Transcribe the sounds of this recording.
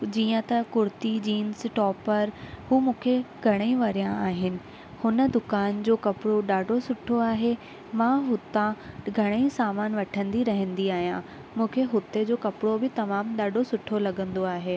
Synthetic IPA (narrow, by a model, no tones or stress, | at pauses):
d͡ʑiːə̃t̪ɐkʊɾt̪id͡ʑiːnsʈɔːpəɾhuːmũːkʰeɡʱɐɽ̃əiʋɐɾijãaːɦɪnɪ̆ | hʊnə̆d̪ʊkaːnd͡ʑoːkɐpɪɽoɗaːɖʱosʊʈʰoaːɦe | mãɦʊt̪ãɡʱɐɽ̃əisaːmaːnʋɐʈʰə̃nd̪iɾɐɦə̃nd̪iaːɦijã | mũːkʰeɦʊt̪ed͡ʑoːkɐpɽobɪt̪ɐmaːmɗaːɖʱosʊʈʰolɐɠə̃nd̪oaːɦeː